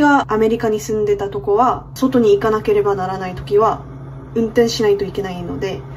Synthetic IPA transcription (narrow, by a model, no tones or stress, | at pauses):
ɡaame̞ɾʲikaɲ̟isɨ̃nd̪e̞t̪at̪o̞ko̞βaso̞t̪o̞ɲ̟iːkanake̞ɾe̞banaɾanait̪o̞̥kʲiβa | ɯ̟̃nt̪ẽ̞ɰ̃ɕinait̪o̞ike̞naino̞d̪e̞